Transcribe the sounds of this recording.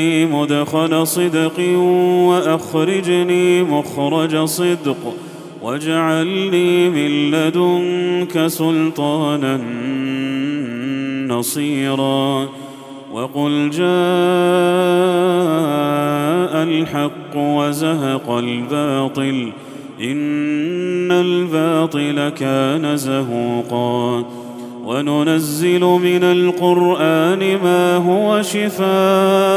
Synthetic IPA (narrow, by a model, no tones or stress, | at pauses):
iːmʊd̪xalasˤɨd̪qɨwaʔaxɾɑd͡ʒniːmʊxɾˤɑd͡ʒasˤɨd̪q | wad͡ʒaʕalniːmɪlːad̪ʊŋkasʊlt̪ˤɑːnan | ɑsˤiːɾɑː | wʔɑqʊld͡ʒaː | ʔalħɑqːʊwazaɦɑqɑlbaːt̪ˤɨl | ʔɪnː | albɑːt̪ˤɨlakaːnazaɦuːqɑː | wanʊnazːɪlʊmɪnalqʊɾʔaːnɪmaːɦʊwaʃɪfaːʔ